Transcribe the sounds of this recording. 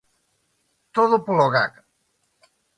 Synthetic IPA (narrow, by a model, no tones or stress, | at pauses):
t̪oðupoloɣak